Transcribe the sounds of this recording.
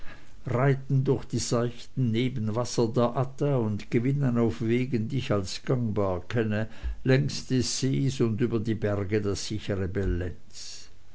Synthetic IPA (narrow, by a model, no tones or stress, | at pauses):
ʁaɪtn̩dʊɐxd̥iːzaɪçtn̩neːbən̩vasɐdeːɐʔatəʊntɡ̥əvɪnənaʊfv̥eːɡən̩diɪçalsɡ̥aŋbaːɐkʰɛnəlɛŋstd̥esz̥eːsʊndyːbɐdiːbɛʁɡədeːɐz̥ɪçəʁəbɛlɛnt͡s